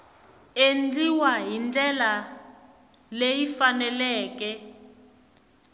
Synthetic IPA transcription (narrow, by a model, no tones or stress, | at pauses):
end͡ɮiwaɦind͡ɮɛla | lejifanɛlɛːkɛ